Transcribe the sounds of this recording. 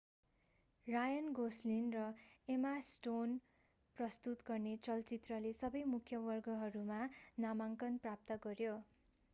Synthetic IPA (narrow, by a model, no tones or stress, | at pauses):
rajʌnɡoslinrʌemasʈon | prʌst̪ut̪ɡʌrnet͡sʌlt͡sit̪rʌlesʌbʌjmukʰːjʌbʌrɡʌɦʌɾumanamaŋkʌnprap̚t̪ʌɡʌrjo